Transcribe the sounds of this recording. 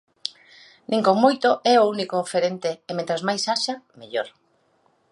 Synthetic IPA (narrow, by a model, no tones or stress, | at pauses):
nʔĩŋkoŋmojt̪oʔɛounikoːfeɾent̪eːmẽnt̪ɾazmajsaʃameʎoɾ